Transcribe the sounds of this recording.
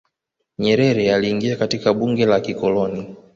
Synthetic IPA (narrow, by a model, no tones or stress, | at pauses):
ɲɛɾɛɾɛaliːŋɡiakatikaɓuŋɡɛlakikɔlɔni